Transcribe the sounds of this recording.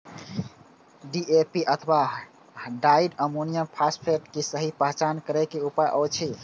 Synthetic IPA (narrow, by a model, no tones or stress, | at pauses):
ɖiepiʔət̪ʰəba | ɖaiɖəmonijəmpʰaspʰeʈkesəɦipəɦt͡ʃankəɾɛkeupajʔɔt͡ʃʰi